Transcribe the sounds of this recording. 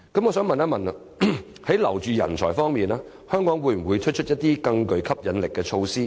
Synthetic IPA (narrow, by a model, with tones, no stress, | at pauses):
kɐ˨˥mŋɔː˨˧sœː˨˥ŋmɐ˨naː˥mɐ˨nɐ˧ | hɐ˨˥jlɐ̰˨˩wt͡ʃyː˨˧jɐ˨˩nt͡ʃʰɔː˨˩jfɔː˥ŋmiː˨naː˥ | hœː˥ŋkɔː˨˥ŋwuː˨˧jm̩˨˩wuː˨˧jt͡ʃʰɵ˥t̚t͡ʃʰɵ˥t̚jɐ˥t̚t̪iː˥kɐ˧ŋkɵ˨˧ɥkʰɐ˥p̚jɐ˨nlɪ˨kːɛː˧t͡ʃʰo˧wsiː˥